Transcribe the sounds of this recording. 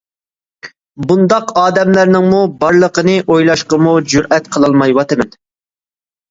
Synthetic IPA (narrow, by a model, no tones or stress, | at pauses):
bund̪ɑqɑːd̪ɛmlæɾnɪŋmubɑɾlˠəqənɨʔojlˠɑʃqəmud͡ʒuɾʔɛt̪qʰəlˠɑlˠmɑjwɑt̪ɨmɛn